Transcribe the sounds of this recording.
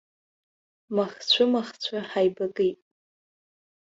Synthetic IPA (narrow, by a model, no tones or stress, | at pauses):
maχt͡sʷʰʊmaχt͡ɕʷʰaħajbakʼɨtʼ